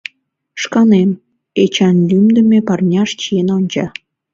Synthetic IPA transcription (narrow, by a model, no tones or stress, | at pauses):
ʃkɑnem | et͡ɕɑnlʲymd̪ə̆mepɑrnʲɑʃt͡ɕijenonʲt͡ɕɑ